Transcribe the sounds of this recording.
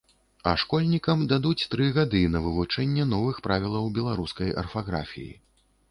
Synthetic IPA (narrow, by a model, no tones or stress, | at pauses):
ɐ̰ʂkɔlʲnʲikɐmd̪ad̪ut͡sʲt̪ɾɨɣad̪ɨnɐvɨvut͡ʂɛnʲːɛnɔvɨxpɾavʲilˠɐwbʲɛlˠaɾuskɐjɐ̰rfaɣɾa̰fʲḭjḭ